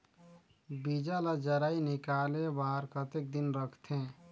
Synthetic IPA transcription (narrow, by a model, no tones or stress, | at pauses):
bid͡ʒalad͡ʒəɾainikalebaːɾkət̪ek̚d̪inɾəkʰt̪ʰẽ